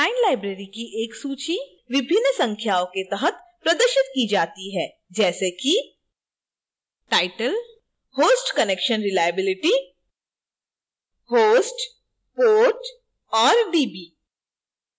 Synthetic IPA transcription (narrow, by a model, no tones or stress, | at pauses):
aːɪnlaːɪbɾeːɾikiʔeːksuːt͡ʃi | ʋɪbʱɪnːəsɐ̃ŋkʰjaːõket̪ɛɦət̪̚ | pɾɐd̪əɾʃɪt̪kid͡ʒaːt̪iɦɛː | d͡ʒɛːseki | ʈaːɪʈəl | hoːsʈkɐneːkʃənɾɪlaːɪjəbɪlɪʈi | hoːsʈ | poːʈ | ɔːɾɖiːbiː